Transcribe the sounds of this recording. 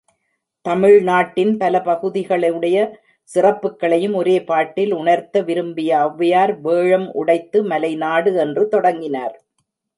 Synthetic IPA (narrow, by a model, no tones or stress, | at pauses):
t̪ɐmɪɻnaːʈːɪnpɐlɐpɐɣɯðɪɣɐɭɐɯɽɐjɐ | sɪrɐpːɯkːɐɭɐjɯmɔɾeːpaːʈːɪlʊɳɐɾt̪ɐʋɪɾɯmbɪjɐːʋːɐjaːɾʋeːɻɐmʊ̰ɽɐɪt̪ːɯmɐlɐɪnaːɽɯɛndrɯt̪ɔɽɐŋɡɪnaːɾ